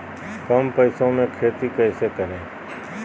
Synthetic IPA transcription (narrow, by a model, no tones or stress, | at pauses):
kəmpəːsõːmẽːkʰɾeːt̪iːkəːseːkəɾẽː